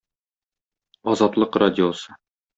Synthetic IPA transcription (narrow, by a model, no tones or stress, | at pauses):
ɒzɑt̪lˠɤqradʲɪosɤ̥